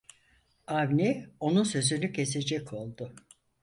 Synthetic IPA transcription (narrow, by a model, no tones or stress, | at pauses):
avnɛo̞nunsø̞zynycʰe̞se̞d͡ʒɛcʰo̞lˠd̪ʊ